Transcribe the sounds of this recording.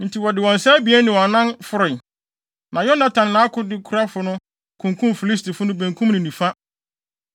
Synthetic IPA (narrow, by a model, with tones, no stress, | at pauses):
n̩˨tʰi˨wɔ˨dɪ˨wɔ̃˨n˨sa˦bi˨˦ɛ˦nɪ̃˨wɔ̃˨nã˦nfʊ˦ɾɪ˨ | nã˨jɔ˦nã˨tʰã˨nɪ˨nã˦kʰʊ˦dɪ˦kʰu˦ɾa˦fʊ˦nʊ̃˦ | kʰʊ̃˨ŋkʰũ˦mfi˨li˦s̬ti˨fʊ˦nʊ̃˦bæ̃˨ŋkʰũ˦m˦nʊ̃˨nĩ˨fa˦